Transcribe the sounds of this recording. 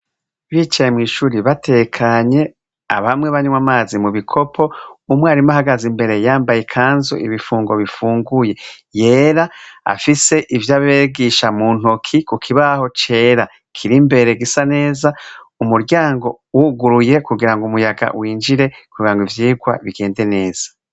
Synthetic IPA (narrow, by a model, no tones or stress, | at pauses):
βit͡ʃajemŋiːʃuɾiβatʰe̞kʰaɲe̞ | a̰βamŋe̞βaɲumwamaːzimuβikʰo̞pʰo̞umweaɾimaɦaɡazimbe̞ɾe̞jaːmbajekʰaːnzo̰ʔḭβifuːŋɡo̞βifuːŋɡuje̞je̞ːɾaa̰fise̞ʔivjaβeɡiʃamuːn̥okʰikukʰiβaho̞t͡ʃe̞ːɾa | kʰiɾimbe̞ɾe̞ɡisane̞ːza | umuɾɟaːŋɡo̞ | wuɡuɾuje̞kuɡiɾaŋɡumujaɡa̰wiːnd͡ʒiɾe̞kuɡiɾaŋɡivjiːɡwa̰βiɡe̞ːnde̞ne̞ːz̥ḁ